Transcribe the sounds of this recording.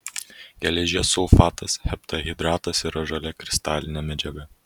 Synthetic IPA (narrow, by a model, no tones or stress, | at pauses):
ɡʲɛlʲɛʒʲiɛsʊlˠfɑːt̪ɐshʲɛpt̪ɐɣʲɪd̪ɾɑːt̪ɐsiɾɐʒɐlʲɛkɾʲɪst̪ɑːlʲɪnʲɛmʲɛd͡ʒʲɛɡɐ